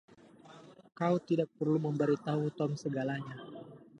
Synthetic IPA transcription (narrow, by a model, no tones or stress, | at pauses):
kaut̪idak̚pərluməmbəɾit̪aɦut̪ɔmsəɡalaɲa